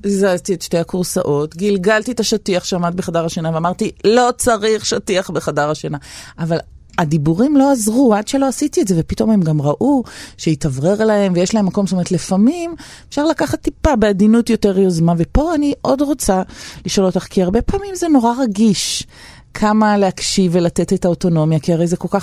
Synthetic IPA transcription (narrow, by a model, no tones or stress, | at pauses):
zaztietʃte̞jhakuʁsa̰ʔo̞tɡilɡaltietaʃatiaχʃeamat̚beχadaʁaʃanaveamaʁtilo̞t͡saʁiχʃatiaχbeχadaʁaʃanaaval | ad̪ibuʁimlo̞azʁuadʃelo̞asitietze̞vepito̞memɡamʁaʔuʃeitavʁe̞ʁlae̞mvejeʃlaemːako̞mʃtomet̪lefamimefʃaʁlakaχat̪ːipabeadinutjo̞te̞ʁjozmavepo̞aniʔo̞dʁo̞t͡saliʃolot̪aχkiaʁbe̞paːmimzeno̞ʁaʁaɡiʃ | kʰamaleakʃivelatetetaoto̞no̞mjakiaʁejzeko̞lkaχ